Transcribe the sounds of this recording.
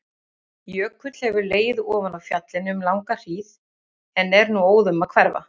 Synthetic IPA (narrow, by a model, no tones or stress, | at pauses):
jœːkʰvʏt̪l̥hɛvʏɾleːjðʏɔːvanawfjat̪lɪnʏmlawŋkar̥iːð | ɛnɛɾnuoːwðʏmaðkʰvɛɾva̰